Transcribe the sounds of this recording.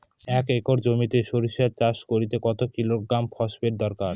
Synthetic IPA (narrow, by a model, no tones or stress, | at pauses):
ɛkekoɾd͡ʑomit̪eʃoɾiʃat͡ɕaʃkoɾit̪ekɔt̪okilokɡɾampʰɔʃbeɾd̪ɔɾkaɾ